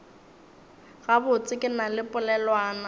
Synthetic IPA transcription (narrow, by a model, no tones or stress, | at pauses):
ɣabʊt͡sʼɪkʼɪnalɪpʼʊlɛlwaːna